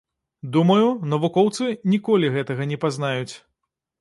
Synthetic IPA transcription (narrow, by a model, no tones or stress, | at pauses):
d̪umɐjunɐvukɔwt̪sɨnʲikɔlʲiɣɛt̪ɐɣɐnʲɛpaznajut͡sʲ